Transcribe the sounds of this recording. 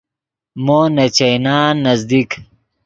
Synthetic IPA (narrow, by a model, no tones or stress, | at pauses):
moːnɐt͡ɕɐjnaːnːɐzd̪ik